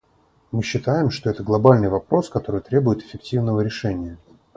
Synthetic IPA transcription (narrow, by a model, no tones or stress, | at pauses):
mɨɕːɪt̪ajɪmʂt̪o̞ɛt̪əɡlˠɐbalʲnɨjvɐpɾo̞skɐt̪o̞ɾɨjt̪ɾʲebʊjɪt̪ɪ̥fʲɪk̚tʲivnəvəɾʲɪʂɛnʲɪjə